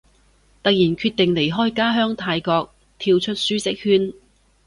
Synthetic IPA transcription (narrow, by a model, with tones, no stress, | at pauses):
t̪ɐ˨k̚jiː˨˩nkʰyː˧t̪ɪ˨ŋle˨˩jɦɔː˥jkaː˥ɦœː˥ŋt̪ʰaː˧jkɔː˧k̚ | t̪ʰiː˧wt͡ʃʰɵ˥t̚syː˥t͡sɪ˥k̚hyː˥n